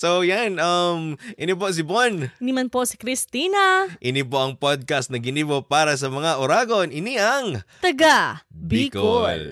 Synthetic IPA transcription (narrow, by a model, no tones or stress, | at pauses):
sowjanɐmʔɪnip̬os̬ɪbonʔɪnimanpoʔsi̥kɾist̪iːnaʔɪnipoʔɐŋpod̪̚kast̪nɐɡɪniːbopaːɾɐs̬ɐmɐŋaʔʊɾaːɡo̞nʔɪniʔɐŋt̪ɐɡabikol